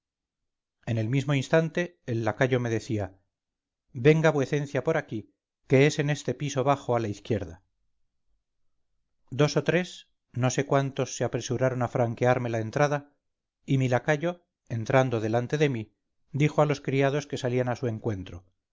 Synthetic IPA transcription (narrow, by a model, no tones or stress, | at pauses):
e̞ne̞lmizmo̞inst̪ant̪e̞ːlːakaʎo̞me̞ðe̞θia | be̞ŋɡaβwe̞θẽ̞n̟θjapo̞ɾaki | ke̞ese̞ne̞st̪e̞piso̞β̞aχo̞alaiθkje̞ɾða | d̪o̞so̞t̪ɾe̞s | no̞se̞kwant̪o̞sːeapɾe̞suɾaɾo̞nafɾaŋkeaɾme̞lae̞nt̪ɾaða | imilakaʝo̞ | e̞nt̪ɾand̪oðe̞lant̪e̞ðe̞mi | d̪ixo̞alo̞skɾiað̞o̞ske̞salianasue̞ŋkwe̞nt̪ɾo̞